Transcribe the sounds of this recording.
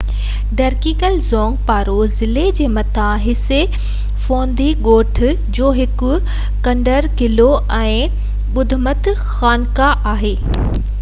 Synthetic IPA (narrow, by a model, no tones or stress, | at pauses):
ɖɐɾkikəlzɔ̃ːŋɡ̚paːɾozɪled͡ʑeːmɐt̪ʰãɦɪse | fõːnd̪iɠoːʈʰ | d͡ʑoːɦɪkʊ̆ | kɐ̃ɳɖəɾkɪloʔɛ̃ː | ɓʊd̪ʱʊmət̪ | xaːnkaʔaːɦeː